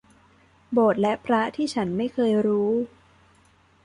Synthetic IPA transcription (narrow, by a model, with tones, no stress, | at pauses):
boː˨˩t̪̚lɛ˦˥pʰɾa˦˥t̪ʰiː˥˩t͡ɕʰa˦˥nma˥˩jkʰɤː˧jɾuː˦˥